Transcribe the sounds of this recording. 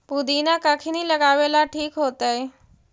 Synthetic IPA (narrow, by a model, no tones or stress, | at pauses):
pud̪inakakʰiniːləɡaʋelaʈʰiːkɦot̪əj